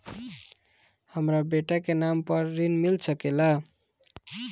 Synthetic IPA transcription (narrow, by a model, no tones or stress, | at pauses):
həmɾabeʈakenampəɾːinmilsəkela